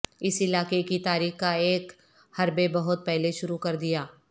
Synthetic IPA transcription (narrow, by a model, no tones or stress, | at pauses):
ɪsɪlaːkekit̪aːɾiːxkaeːk | hɐɾbebɐɦʊt̪̚pɛɦleʃʊɾukɐɾd̪ijaː